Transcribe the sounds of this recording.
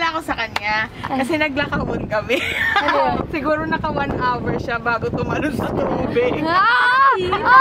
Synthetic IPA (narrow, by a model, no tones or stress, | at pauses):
lakosɐkɐɲjakɐsɛnɐɡ̚lɐkɐʔot̪kɐmɛ | sɪɡuːɾo̞nɐkɐwanʔawɛɹʃabaːɡot̪ʊmɐlonsɐt̪ʊʔuːbɛ